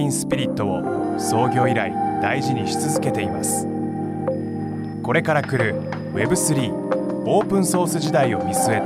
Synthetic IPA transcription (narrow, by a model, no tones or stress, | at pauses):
ĩɰ̃sɨ̥pʲiɾʲit̪ːo̞o̰ | so̞ːɡʲo̞ːiɾaḭd̪̥aiʑiɲ̟iɕi̥t͡sɨzɨke̞t̪e̞imasɨ̥ | ko̞ɾe̞kaɾakɯ̟ɾɯ̟ | βe̞bɯ̟sɨɾʲiː | o̞ːpɯ̟̃ɰ̃so̞ːsɨʑid̪aio̞mʲisɨe̞